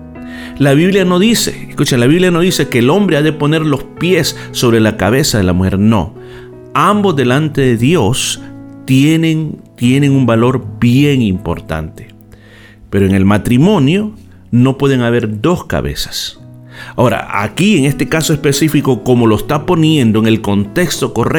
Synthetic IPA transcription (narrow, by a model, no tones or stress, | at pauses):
laβ̞iβljano̞ðisḛeskut͡ʃenlaβiβljano̞ðise̞keːlo̞mbɾe̞aðe̞po̞ne̞ɾlo̞spje̞sːo̞βɾe̞lakaβe̞saðe̞lamuxe̞̰ɾno̞̰ | ambo̞zðe̞lant̪e̞ðe̞ðjo̞st̪eneŋt̪je̞ne̞ŋumbalo̞ɾbje̞ŋimpo̞̰ɾt̪a̰nt̪e̥ | pe̞ɾoeŋe̞lmat̪ɾimõ̞njo̞ | no̞pwe̞ðe̞ŋaβe̞ɾd̪o̞ska̰βe̞̰sḁs | ao̞ɾa̰a̰kie̞ŋe̞st̪e̞kaso̞e̞spe̞sifiko̞ko̞mo̞lo̞est̪apo̞nje̞nd̪o̞eŋe̞lko̞nt̪e̞kst̪o̞ko̞re